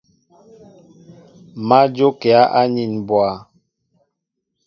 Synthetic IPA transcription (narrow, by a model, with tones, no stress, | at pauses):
ma˦d͡ʒo˦kɛ˨a˦ʔa˦ɲi˨nbwa˨